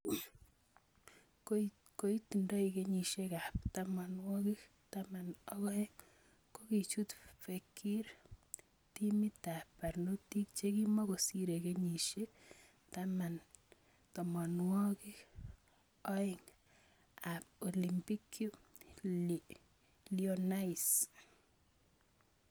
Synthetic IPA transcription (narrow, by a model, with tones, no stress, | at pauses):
ko | ko˦i˦ti˨ndɔ˦ike˦ɲi˨ʃe˦ka˨p̚tama˨nwɔ˦ki˦ | tama˨nɔ˦ɣɔ˦je˦ŋ | ko˦ki˨t͡ʃu˦tfe˨kʰːi˦ɾ | ti˦mi˦ta˨pa˨rno˦ti˦kt͡ʃe˦ki˦mɔ˦ko˨si˦ɾe˨ke˦ɲi˨ʃek | tama˨n | tɔ˨mɔ˨nwɔ˦ki˦k | ɔ˦iŋ | a˨p̚o˨li˨mpi˦kju˦ | liona˦is